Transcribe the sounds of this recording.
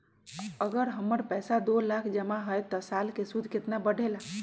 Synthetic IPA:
əɡəɾɦəmːəɾpɛjsad̪olakʰd͡ʒəmaɦəjt̪ːɔsalkesud̪ʱket̪nabəɖʱela

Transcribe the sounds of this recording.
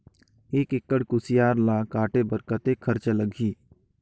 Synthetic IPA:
eːkekːəɽkʊsijaːɾlãkaːʈebəɾkət̪ekʰəɾt͡ʃələɡʱiː

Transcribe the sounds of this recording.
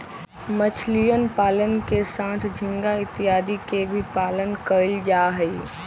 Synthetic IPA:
mət͡ʃʰlijənpaːlənkesaːt̪ʰd͡ʒʱɪ̃ŋɡaɪt̪iɦaːd̪ikebʱipaːlənkəɾəld͡ʒaɦəi

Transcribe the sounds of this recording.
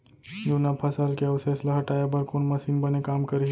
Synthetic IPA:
junapʰəsalkeəʋsesləɦəʈajebəɾkonməsinbənekamkəɾe

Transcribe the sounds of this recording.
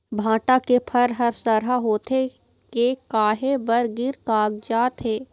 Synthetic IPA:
bʱãːʈakepʰɐɾɦɐɾsəɾɦaɦoːt̪ʰe | kekaːɦebɐɾɡɪɾkaːɡd͡ʒaːt̪ɦeː

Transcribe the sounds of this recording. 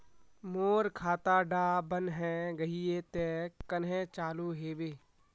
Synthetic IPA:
moːɾkʰaːt̪aːɖaːbənɦɛ̃ɡəɦiet̪ekənɦẽt͡ʃaːluɦeːʋeː

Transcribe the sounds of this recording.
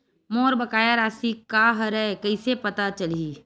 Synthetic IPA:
moːɾbɐkaːjaɾaːsikaːɦɾɛekɐɪsepɐt̪at͡ʃɐliː

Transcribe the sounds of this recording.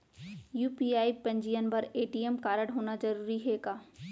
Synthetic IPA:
juːpiːaːipɐ̃ɲd͡ʒijənbɐɾeːʈijemkaːɾəɽɦoːnad͡ʒɐɾuːɾiɦɛːɡaː

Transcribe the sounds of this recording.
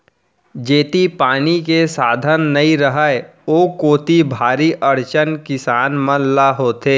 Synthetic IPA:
d͡ʒeːt̪ipaːnikesaːd̪ʱənːɐĩɾəɦəe | oːkoːt̪ibʱaːɾiʔɐɾt͡ʃənkɪsaːnmə̃nlaɦoːt̪eː

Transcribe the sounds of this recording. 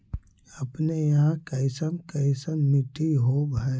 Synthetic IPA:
əpnejɐɦãkəɪsəmkəɪsəmɪʈʰiɦobʱɛ

